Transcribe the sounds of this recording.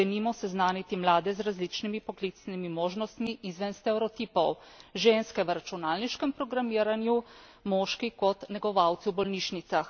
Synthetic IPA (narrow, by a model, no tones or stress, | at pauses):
ɛnimɔsɛznaːnit̪imlaːd̪ɛzɾazlit͡ʃnimipɔklit̪snimimoːʒnɔst̪miʔizʋɛnst̪ɛɾɔt̪ipɔw | ʒenskɛʋɾat͡ʃunaːlniʃkɛmpɾɔɡɾamiːɾanju | moʃkikɔt̪nɛɡɔʋawt̪siwbɔlniːʃnit̪sax